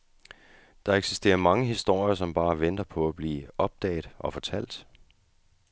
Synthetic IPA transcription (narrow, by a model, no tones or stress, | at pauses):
d̥ɑ̈eɡ̥si̥sd̥e̝̰ːɐmɑ̈ŋəɦisd̥o̝ɐ̰jɐsɒ̽mb̥ɑ̈ːʋend̥ɐpʰɒ̽æb̥liːɒ̽b̥̚d̥ɛ̰ɪd̥ˠʔɒ̽fɒ̽t͡sʰæl̰d̥